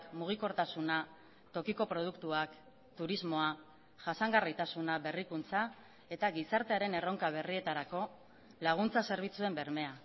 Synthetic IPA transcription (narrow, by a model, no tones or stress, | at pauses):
kmuɣ̞iko̞ɾt̪asuna | t̪o̞kiko̞pɾo̞ð̞ukt̪uak | t̪uɾizmo̞a | ʝasaŋɡarijt̪asunaβe̞rikunt͡sa | e̞t̪aɣisaɾt̪e̞aɾe̞ne̞ro̞ŋkaβ̞e̞rie̞t̪aɾako̞ | laɣ̞unt͡sase̞ɾβ̞it͡sue̞mbe̞ɾme̞a